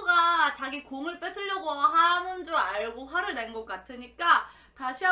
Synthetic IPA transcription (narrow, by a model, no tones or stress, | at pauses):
ɡat͡ɕaɡikoŋɯɭp͈esʰɯʎːʌɡoɦamɯnd͡ʑoaɭɡoɸwaɾɯɭne̞nɡʌk͈atʰɯɲik͈a | taɕʰiɦa